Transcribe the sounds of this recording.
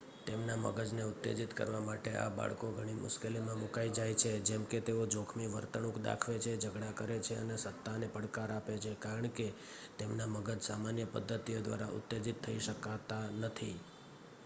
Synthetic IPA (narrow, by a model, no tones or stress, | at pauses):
t̪emnamə̰ɡəd͡ʒneʊt̪ːḛd͡ʒit̪kə̰ɾʋamaʈeʔa̰ba̰ɭkoɡʱəɽ̃imʊ̰ʃkelimãmukaid͡ʒajt͡ʃʰed͡ʒɛmket̪eod͡ʒokʰmiʋəɾt̪əɳũkd̪a̰kʰʋet͡ʃʰed͡ʒəɡɽakəɾet͡ʃʰeə̰nesət̪ːanepəɽkaɾapet͡ʃʰekaɾəɳke | t̪emnaməɡəd͡ʒsamanjəpə̰d̪ʱːət̪ijod̪ʋa̰ɾaʔʊ̰t̪ːed͡ʒit̪ʰːəiʃəkat̪anət̪ʰi